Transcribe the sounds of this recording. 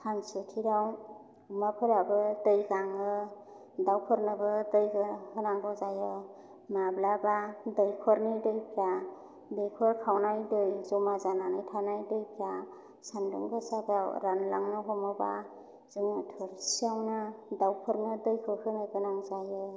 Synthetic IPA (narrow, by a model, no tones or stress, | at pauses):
kʰansɯkʰiɾaw | ɯmapʰɯɾabɯdɯjɡaŋɯ | dawpʰɯɾnɯbɯdɯjɡɯhɯnaŋɡɔzajɯ | mablabadɯjkʰɔɾnidɯjpʰɾa | dɯjkʰɔɾkʰawnajdɯjzɔmazananɯjtʰanajdɯjpʰɾa | sandɯ̰ŋɡɯsabaɾanlaŋnɯɦɔmɔba | zɯŋɯtʰɯɾsiawnɯdawpʰɯɾnɯdɯjkʰɯkʰɯnɯɡɯnaŋzajɯ